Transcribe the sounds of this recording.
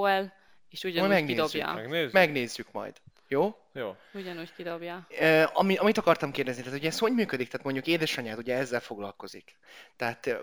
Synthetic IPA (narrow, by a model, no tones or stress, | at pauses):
ɛl | eːʃuɟɒmɛɡnid̪obja̰ːɛɡnezmɛɡneːzːykmɒ̰jd̪̥ | joː | joː | uɟɒnuːckid̪objaːøːɒmiɒmit̪ɒkɒrt̪ɒmkeːrd̪ɛznit̪aːt̪uɟɛsho̞ɲmyːkød̪ikt̪ɛaːt̪mo̞ɲɟukeːd̪ɛʃɒɲaːt̪uɟɛɛzːɛlfo̞ɡlɒ̰lko̞zḭk | t̪ɛɦat̪